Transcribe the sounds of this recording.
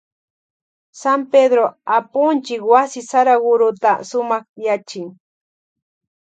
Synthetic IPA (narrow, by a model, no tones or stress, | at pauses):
samped̪ɾoapʊnt͡ʃɪkwasɪsaɾaɡʊɾʊt̪asʊmɑχjat͡ʃɪŋ